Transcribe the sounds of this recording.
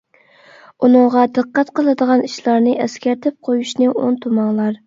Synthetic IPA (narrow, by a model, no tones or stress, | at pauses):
unɨŋʁɑd̪ɨqːɛt̪qəlˠɨd̪əʁɑniʃlˠɑɾnɨʔɛskʲæɾt̪ʰɪp̚qʰojuʃnɪo̰nt̪ʰumɑŋlˠɑɾ